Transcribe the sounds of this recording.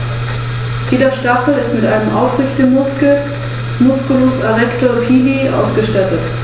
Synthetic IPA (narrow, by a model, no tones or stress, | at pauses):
jeːdɐʃtaχl̩ɪstmɪtʔaɪnəmʔaʊfʁɪçtəmʊs̩ | mʊskʊloːsaʁɛktoːɐpʰiːliʔa̰ʊsɡ̥əʃtatət